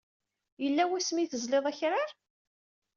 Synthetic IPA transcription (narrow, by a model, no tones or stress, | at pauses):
jəlːæwæsmiθəzleðˤæçɾaɾ